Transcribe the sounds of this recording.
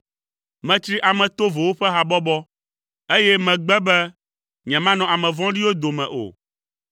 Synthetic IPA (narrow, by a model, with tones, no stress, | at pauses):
mɛ̃˨t͡ʃ̪ɾi˦ʔa˨mɛ̃˨t̪o˦vo˨wo˦ɸɛ˦ɦa˨bɔ˦bɔ˦ | e˦jɛ˦mɛ̃˨ɡ͡bɛ˦bɛ˦ | ɲɛ̃˨mã˦nɔ̃˨a˨mɛ̃˨vɔ̃˦ɖi˦wo˦d̪o˨mɛ̰̃˨ʔo̰˨